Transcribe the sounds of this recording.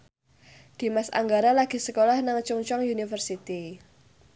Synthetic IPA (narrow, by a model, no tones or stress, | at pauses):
d̥i̤masa̰ŋɡaɾalaɡ̥i̤səkolahnaŋt͡ʃuŋt͡ʃɔŋjunifərsit̪i